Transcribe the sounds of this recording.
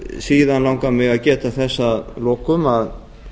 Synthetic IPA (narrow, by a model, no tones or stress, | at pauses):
siːðanlawŋkamɪɣaðcɛːt̪aθɛsːalɔːkʏmað